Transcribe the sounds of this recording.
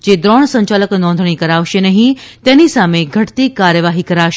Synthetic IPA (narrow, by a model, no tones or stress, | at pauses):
d͡ʒed̪ɾɔːɽ̃sə̃ɲt͡ɕaləknɔ̃nd̪ʱɽ̃ikəɾaʋʃenəɦĩt̪ɛ̃nisameɡʱəʈt̪ikːaɾjəʋaɦikəɾaʋʃe